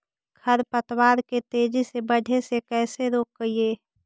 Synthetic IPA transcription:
ɡʱʰəɾpət̪waːɾket̪eːd͡ʒisebəɖʱesekɛːseɾoːk̚ɡəieː

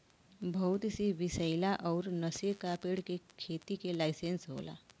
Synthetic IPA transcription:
bʱɐʊt̪siʋɪsəɪlaʔɔːɾnəsəkaːpeːɽkekʰeːt̪ikelaɪsẽnsɦo̰ːla̰ː

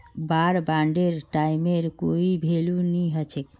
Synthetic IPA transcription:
baɾbaɳɖeɾʈajmeɾkoibʱeluniɦɔt͡ʃʰek

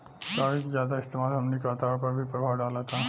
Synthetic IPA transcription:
kaʋikd͡ʒjad̪aɪst̪imaːd̪ɦəmnikat̪aʋpəɾbʱiːpɾəbʱaʋɖalat̪a

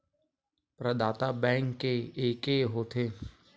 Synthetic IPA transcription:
pɾəd̪aːt̪abɛ̃ːŋkːeeːkeɦoːt̪ʰeː

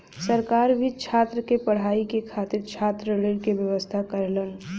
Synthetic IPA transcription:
səɾkaːɾbʱit͡ʃʰaːt̪ɾəkepəɽ̤aːikekʰaːt̪ɪɾt͡ʃʰaːt̪ɾəɾeɽkebjəʋəst̪ʰakəɾlən

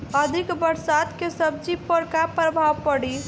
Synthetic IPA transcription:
əd̪ʱikbəɾsat̪kesəb̚d͡ʒipəɾkapɾəbʱawpəɽi

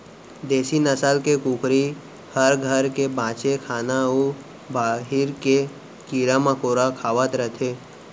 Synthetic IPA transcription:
d̪eːsinəsaːlkekuːkʰɾi | həɾɡʱəɾkebãːt͡ʃekʰaːnao | bʱaːɦɪɾke | kiːɾamãkoːɾakʰaːʋət̪ɾət̪ʰeː

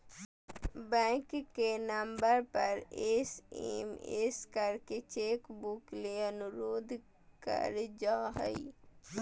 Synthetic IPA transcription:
bɛ̃ːkːenəmbəɾpəɾesḛmeskəɾket͡ʃeːkbukleənʊɾoːd̪ʱ | kə̰ɾd͡ʒaːɦə̰i

